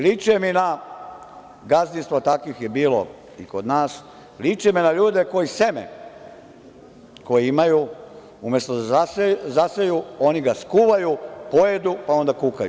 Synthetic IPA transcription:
lit͡ʃemina | ɡazninst̪ʋat̪akʋixjebiːlo̰ | iko̞d̪naːs | lit͡ʃeminaʎuːd̪eko̞jise̞mḛ | ko̞jiimaju | umjest̪od̪aaszasejuo̞niɡaskuʋajupo̞jed̪upao̞nd̪akukaju

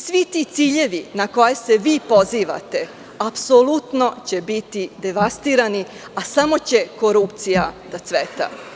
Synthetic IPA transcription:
sʋit̪it̪siːʎe̞ʋinako̞jeseʋiːpo̞ziːʋa̰t̪e̞ | apsolut̪no̞t͡ɕe̞bit̪id̪eʋast̪iːɾani | asamo̞t͡ɕe̞ko̞ɾupt̪sijad̪at̪sʋet̪a̰

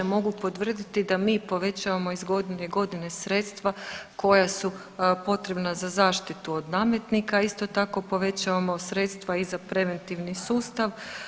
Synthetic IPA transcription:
emo̞ɡupo̞t̪ʋr̩d̪it̪id̪amiːpo̞ʋe̞t͡ɕaʋamo̞izɡo̞d̪ineɡo̞d̪ine̞sɾe̞t̪st̪ʋako̞jasu | po̞t̪ɾe̞bnazazaːʃt̪it̪uod̪naːmjet̪nikaist̪o̞t̪ako̞po̞ʋe̞t͡ɕaʋamo̞sɾe̞t̪st̪ʋaizapɾe̞ʋe̞nt̪iʋnisuːst̪aʋ

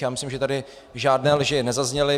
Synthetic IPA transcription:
jaːmɪslimʒɛt̪adɪ | ʒaːdnɛːlʒɪnɛzazɲɛlɪ

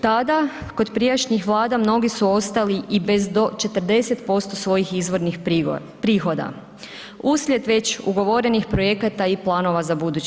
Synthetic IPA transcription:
t̪ad̪ako̞d̪pɾijat͡ʃɲixʋlˠaːd̪amno̞ɡisuo̞st̪aliibe̞zd̪o̞t͡ʃe̞t̪ɾd̪e̞se̞t̪po̞st̪o̞sʋo̞jixizʋo̞ɾnix | pɾiːxo̞d̪a̰ | uslʲje̞d̪ʋe̞t͡ɕṵɡo̞ʋo̞ɾe̞nixpɾo̞je̞kat̪aiplˠaːno̞ʋazabud̪uːt͡ɕ

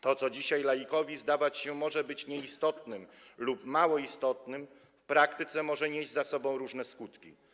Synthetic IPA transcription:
t̪ɔt̪sɔd͡ʑiɕajlajikɔvʲizd̪avat͡ɕɕɛmɔʐɛbɘt͡ɕɲɛist̪ɔt̪nɘmlupmawɔist̪ɔt̪nɘm | fpɾakt̪ɘt̪sɛmɔʐɛɲeʑd͡ʑzasɔbɔ̃w̃ɾuʐnɛskut̪kʲḭ

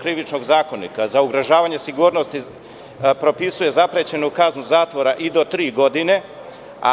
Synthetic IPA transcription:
kɾiʋit͡ʃno̞ɡzaːko̞nḭkazauɡɾoʒaːʋaɲe̞siɡuːɾnost̪i | pɾo̞pisuje̞zapɾet͡ɕe̞nukaznuzaːt̪ʋo̞ɾaʔid̪o̞t̪ɾiːɡo̞d̪ine̞ | a̰

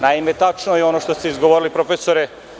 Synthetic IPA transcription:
naimet̪at͡ʂnojeo̞noʃt̪ost̪eizɡoʋoɾilipɾofesoɾe

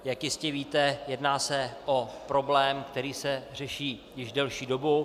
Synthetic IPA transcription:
jakjɪscɛviːt̪ɛjɛdnaːsɛʔopɾo̞blɛːmkt̪ɛɾiːsɛr̝ɛʃiːjɪʒdɛlʃiːdo̞bu

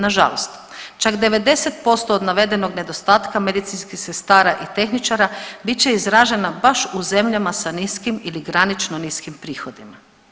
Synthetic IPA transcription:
naʒa̰lost̪ | t͡ʃakd̪e̞ʋe̞d̪e̞set̪po̞st̪o̞ːd̪naʋe̞d̪e̞no̞ɡne̞d̪o̞st̪aːt̪kame̞d̪it̪sinskixse̞st̪aːɾaʔit̪e̞xnit͡ʃaɾabit͡ɕe̞izɾaːʒe̞nabaʃuze̞mʎamasaniskimiliɡɾanit͡ʃnoniskimpɾiːxo̞d̪ima

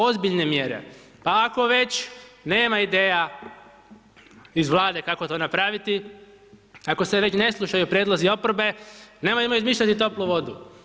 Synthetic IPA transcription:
o̞zbiʎne̞mjeɾḛ | paːko̞ʋe̞t͡ʃne̞ːmaid̪e̞ːja | izʋlˠaːd̪ekakot̪oːnapɾaʋit̪i | ako̞seʋe̞t͡ʃne̞slˠuʃajupɾjeːd̪lˠozio̞pɾobe̞nemojemojuizmiːʃʎat̪it̪o̞plˠuʋo̞d̪u

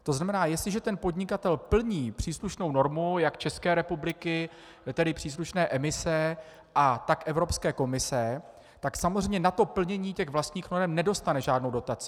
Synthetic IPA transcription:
t̪o̞znamɛnaːjɛst̪lɪʒɛt̪ɛnpo̞dɲɪkat̪ɛlpl̩ɲiːpr̥iːsluʃno̞wno̞ɾmujakt͡ʃɛskɛːɾɛpublɪkɪ | t̪ɛdɪpr̝̥iːs̬luʃnɛːʔɛmɪsɛ | ʔat̪akʔɛvɾo̞pskɛːko̞mɪsɛ | t̪aksamo̞zr̝ɛjmɲɛnat̪o̞pl̩ɲɛɲiːcɛɣvlast̪ɲiːxno̞ɾɛmnɛdo̞st̪anɛʒaːdno̞wdot̪at͡sɪ

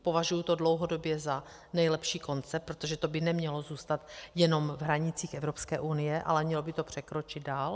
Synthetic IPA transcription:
po̞vaʒujut̪o̞dlowɦo̞do̞bjɛza | nɛjlɛpʃiːko̞nt͡sɛpːɾot̪oʒɛt̪o̞bɪnɛmɲɛlo̞zuːst̪at̪jɛno̞mvɦɾaɲɪt͡siːxɛvɾopskɛːʔunɪjɛʔa̰lɛmɲɛlobɪt̪o̞pr̝̥ɛkɾo̞t͡ʃɪd̪̚daːl

